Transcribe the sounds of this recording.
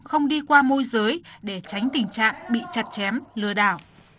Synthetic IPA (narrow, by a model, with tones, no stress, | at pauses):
xə˧wŋ͡mɗi˧kwaː˧mo˧jzəː˨˦jɗe˧˩t͡ɕa˨˦jŋ̟t̪ï˨˩ŋ̟t͡ɕa̰ː˧˨ŋɓḭ˧˨t͡ɕa˨˩t̚t͡ɕɛ˨˦mlɨ˨˩əɗaː˧˩w